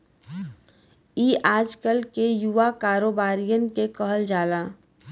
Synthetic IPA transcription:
iːʔaːd͡ʒkəlkejuʋakaːɾoːbaːɾijənkekəɦəld͡ʒaːlaː

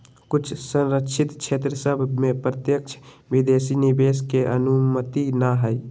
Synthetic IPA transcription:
kut͡ʃʰsə̃nɾəkt͡ʃʰit̪t͡ʃʰet̪ɾəsəbʱmepɾət̪jək̚t͡ʃʰ | bid̪esinibeskeʔənumət̪inaɦəj

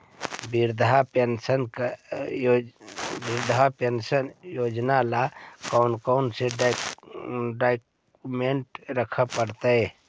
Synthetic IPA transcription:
biɾd̪ʱapensənk | biɾd̪ʱapensənjoːd͡ʒnalakɔʊnkaʊnse | ɖaɪk | meɳʈɾəkʰəpəɾt̪əe

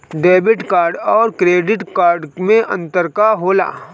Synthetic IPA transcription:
ɖeːbɪʈkaːɾɖɔːɾkɾeːɖɪʈkaːɾɖmẽʔɐ̰̃nt̪əɾkaɦoːla̰ː

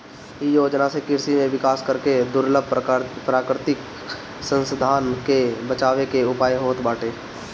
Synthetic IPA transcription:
ijoːd͡ʒnasekɪɾsimẽʋɪkaːskəɾked̪ʊɾləbʱpɾaːkɾɪt̪ɪk | sə̃nsəd̪ʱaːnkebət͡ʃaːwekeʊpaːjɦoːt̪baːʈʰeː

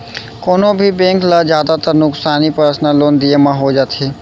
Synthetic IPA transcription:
koːnõbʱibẽːŋklazjaːd̪at̪əɾnʊksaːnipɾəsnaloːnd̪iemãɦod͡ʒaːt̪ɦeː

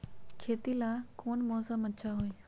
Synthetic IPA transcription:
kʰeːt̪ilaːkoːnmɔːsəmət͡ʃʰaɦoːe

